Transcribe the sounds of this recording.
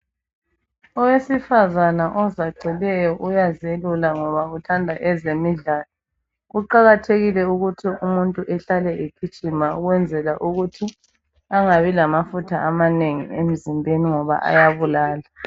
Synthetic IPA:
ɔwesifazanaʔɔzaɡ͡ǀʱilɛjɔʔujazelulaŋɔβautʰandʱaʔɛzemiɮaːlɔ | ɣuǃaɣatʰeɣilɛuɣutʰiumuntʼuʔɛɬalɛʔikʰit͡ʃʼimauɣwɛnd͡zʱɛlaʔuɣutʰi | aŋaβilamafutʰaʔamaneŋḭem̩zimbʱeniŋɔβa̰ʔa̰jaβulaːla

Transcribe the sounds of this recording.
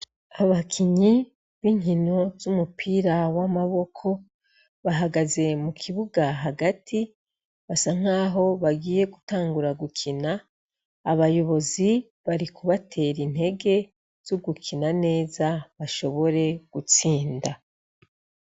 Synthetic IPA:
aβakʰiɲi | βiːɲino̞zumupʰiːɾawamaβo̞kʰo̞ | βaɦaɡaze̞mukʰiβuɡaɦaɡatʰi | βasaŋ̥aːɦo̞βaɡiːje̞ɡutaːŋɡuɾaɡukʰinaː | βajo̞βo̞zi | βaɾikuβatʰe̞ːɾin̥he̞ɡe̞ | z̥oɡukʰinane̞ːzaβaʃo̞βo̞ɾe̞ɡ̥ut͡siːnda

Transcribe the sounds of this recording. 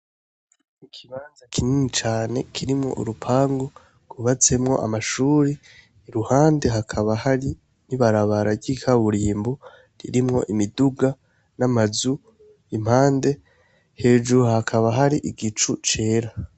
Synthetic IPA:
ikʰiβaːnzakʰininit͡ʃaːne̞kʰiɾimŋo̞̰ʔṵɾupʰaːŋɡo | kuβat͡se̞mŋo̞̰ʔa̰maʃuːɾiː | ɾuhaːnde̞ɦakʰaβahaɾi | niβaɾaβaɾabɟiːkʰaβuɾiːmbo | ɾḭɾimŋo̞ʔimiduɡa | namazu | im̥haːnde̞ | he̞ːd͡ʒuɾuhakʰaβaɦaɾiʔiɡit͡ʃut͡ʃe̞ːɾa

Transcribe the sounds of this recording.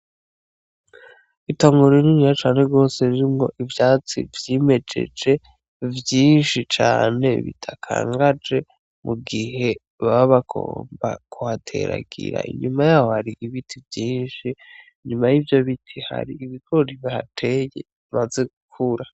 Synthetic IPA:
itoːŋɡoɾeniɲijat͡ʃaːneɾɡo̞ːse̞ɾiɾimŋo̞ʔivjaːt͡sḭvjime̞d͡ʒe̞̰d͡ʒe̞ | vjiːnʃit͡ʃaːne̞̰βḭtʰakʰa̰ːŋɡad͡ʒe̞ | muɡihe̞ | βaβaβakʰo̰ːmba̰kʰuhatʰe̞̰ɾa̰ɡ̥ḭɾa̰ʔḭɲumajaːho̞haɾiʔiβitʰivjiːnʃi | ɲumajivjo̞βitʰiha̰ɾiiβiɡoɾiβahatʰe̞jḛ | maze̞ɡukʰuɾa

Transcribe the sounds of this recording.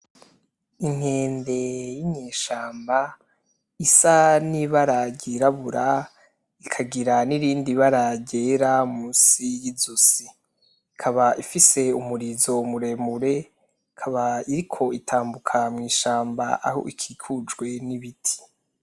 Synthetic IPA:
iŋ̥he̞ːnde̞jimɲeːʃaːmba | isaniβaɾaɟiɾaβuɾa | ikʰaɡiɾaniɾiːndiβaɾaɟeːɾamuːsijizusiː | kʰaβaʔifise̞umuɾizo̞muɾe̞ːmuɾe̞ | kʰaβaiɾikʰo̞itʰaːmbukʰamŋiːʃaːmba̰ʔa̰ho̰ʔikʰiːkʰud͡ʒɡwe̞niβitʰi̥

